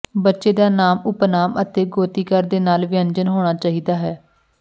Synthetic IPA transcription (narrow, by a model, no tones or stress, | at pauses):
bətːʃeːd̪aːnaːmʊpnaːmət̪eːɡoːt̪iːkəɾd̪eːnaːlʋɪəɲd͡ʒənɦoːɽ̃aːt͡ʃaːɦiːd̪aːɦɛː